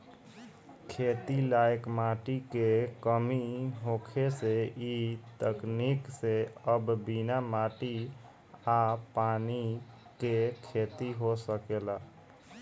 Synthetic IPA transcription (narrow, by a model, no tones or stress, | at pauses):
kʰeːt̪ilaekmaʈikekəmiɦokʰeseit̪əknikseəbbinamaːʈi | apaːnikekʰet̪iɦosəkela